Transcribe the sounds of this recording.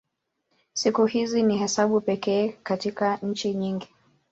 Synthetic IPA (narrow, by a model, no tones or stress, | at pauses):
sikuhizinihɛsaɓupɛkɛːkatikaɲ̩t͡ʃiɲiŋɡi